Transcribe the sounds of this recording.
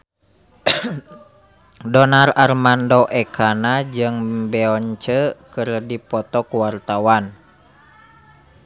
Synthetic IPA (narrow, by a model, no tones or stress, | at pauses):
dɔnararmandɔʔɛkʰanad͡ʒɨŋbɛɔɲt͡ʃəkɨrdipɔt̪ɔkuwart̪awan